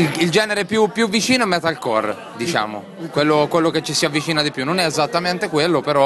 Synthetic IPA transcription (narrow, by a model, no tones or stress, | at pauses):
ild͡ʒɛːneɾepjupːjuvːit͡ʃiːnoemːɛt̪ːalkɔr | d̪it͡ʃa̰ːmo̰ | kwelːokwelːok̟et͡ʃːisiavːit͡ʃiːnad̪ipjunːonɛezat̪ːament̪ekwelːopeɾɔ